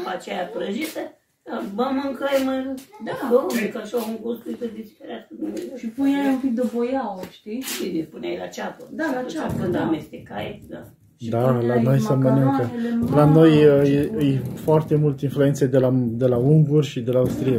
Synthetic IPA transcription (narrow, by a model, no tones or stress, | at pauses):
pat͡ʃejapɾəʒit̪ə | aməmɨŋkəjməd̪ad̪omekəʃouŋkuɾskɨt̪əd̪ispeɾʲeaskəd̪umezʃipunʲajumpik̚d̪əbojawəʃt̪iid̪ispunʲa̰jla̰t͡ʃat̪əd̪alat͡ʃaakɨnd̪amest̪ekajed̪a | ʃalano̞jsəmənɨŋkəeelano̞jəjɨjfoart̪e̞mult̪einflue̞nt̪sed̪elad̪e̞lauŋɡurʲʃid̪e̞lauwst̪ɾija